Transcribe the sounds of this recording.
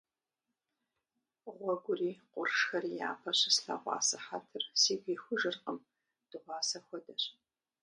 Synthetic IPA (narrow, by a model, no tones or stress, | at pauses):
ʁʷɔɡʷʊriːqʷʼʊrʂxɐrija̰ːpʰɐɕɪsɬɐ̰ʁʷɑ̰ːsɨħatʰɨrsiːɡʷiːxʷʊʒɨrqəm | d̥ɨʁʷɑːsɐxʷɔdɐɕʼ